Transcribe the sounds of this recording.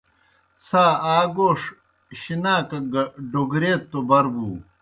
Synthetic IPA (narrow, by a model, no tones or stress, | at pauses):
saːaːɡoːʂ | ɕinaːkɐɡɐɖoɡɾeːt̪ːobɐɾbuː